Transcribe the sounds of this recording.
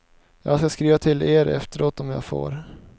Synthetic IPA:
jɑ̰ːɡskaskɾiːvat̪ʰɪleːɾɛ̰ft̪əɾoːt̪ɔmjɑ̰ːɡfo̰ːɾ

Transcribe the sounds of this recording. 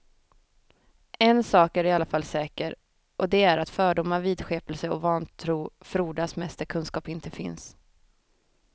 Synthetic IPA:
ɛnsɑːkæɾɪalːafalːsɛːkəɾ | ʔɔd̪ɛæɾat̪fœːɖʊmaviːd̪ɧeːpɛlsəɔvɑːnt̪ʰɾuːfɾuːɖasmɛst̪əɾkʰɵnskɑːpɪnt̪ʰəfɪ̰ns

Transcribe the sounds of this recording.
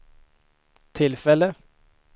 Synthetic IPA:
t̪ʰɪlfɛlə

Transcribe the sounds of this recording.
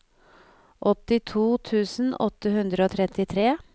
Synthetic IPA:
ʔɔt̪ɪt̪ʰuːt̪ʰʉːsn̩ɔt̪ːəhʉnd̪ɾəoːt̪ʰɾɛt̪ɪt̪ʰɾeː

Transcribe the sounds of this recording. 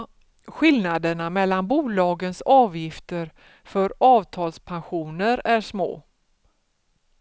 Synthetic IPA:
ɧɪlnad̪əɳamɛlːanbuːlɑːɡənsɑːvjɪft̪əɾ | fœɾɑːvt̪ʰɑːlspʰanɧuːnəɾæʂmo̰ː

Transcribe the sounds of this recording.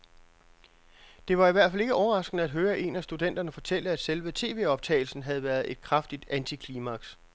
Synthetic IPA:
d̥e̝ʋɑ̈iʋæɐ̰̥fæle̝ɡ̥əɒʊɐʁɑ̈sɡ̥nəæd̥ɦøːɐʔe̝̰næsd̥ud̥en̰d̥ɐnəfɒ̽t͡sʰel̰əæd̥selʋət͡sʰe̝̰ːʋe̝̰ːɒ̽b̥̚t͡sʰɛ̰ɪl̩sn̩ɦæð̩ˠʋæɐð̞ˠe̝d̥kʰʁɑfd̥id̥ænt͡sʰikʰlimɑ̈ɡ̥s

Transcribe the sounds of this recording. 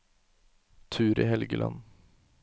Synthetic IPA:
t̪ʰʉːɾiːhɛlɡəlʔɑ̰n

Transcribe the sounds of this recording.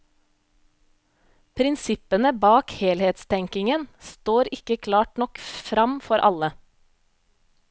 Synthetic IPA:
pʰɾɪnsɪpənəbɑːkheːlheːt̪st̪ʰɛŋkɪŋənst̪oːɾɪkəkʰlɑːʈnɔkfɾɑmfɔɾʔɑlə

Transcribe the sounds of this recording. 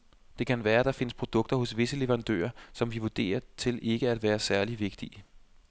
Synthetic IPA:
d̥e̝kʰænʋæːɐd̥ɑ̈fe̝nəspʰʁo̝d̥ɔ̽ɡ̥̚d̥ɐhɔ̽sʋe̝səle̝ʋɐʁɑ̈nd̥ø̰ːɐsɒ̽mʋiʋud̥e̝̰ːɐt͡sʰe̝lʔe̝ɡ̥əæd̥ʋæːɐsæɐliʋe̝ɡ̥̚d̥i

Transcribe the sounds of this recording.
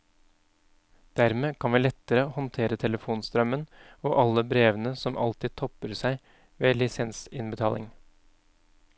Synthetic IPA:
d̪̥æɾmeːkʰɑnʋiːlɛt̪ːəɾəhɔnt̪ʰeːɾət̪ʰɛləfuːnst̪ɾœmənoːʔɑlːəbɾeːʋənəsɔmʔɑ̰lt̪ɪːd̪̚t̪ʰɔpəɾsæɪ | ʋeːlɪsɛnsɪnbət̪ʰɑːlɪ̰ŋ

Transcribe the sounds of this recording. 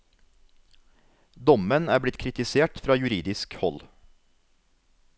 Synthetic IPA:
d̪ɔmənæːblɪt̪kʰɾɪt̪ɪseːʈfɾɑːjʉɾiːd̪ɪskhɔ̰l

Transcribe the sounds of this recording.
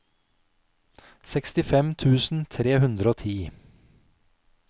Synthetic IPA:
sɛkst̪ɪfɛmt̪ʰʉːsn̩t̪ʰɾeːhʉnd̪ɾəoːt̪ʰiː

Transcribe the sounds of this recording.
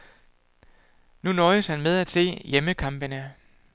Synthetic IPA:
nunɒ̽ɪəshænmeð̞ˠæd̥se̝̰ːjeməkʰɑ̈mb̥ənə

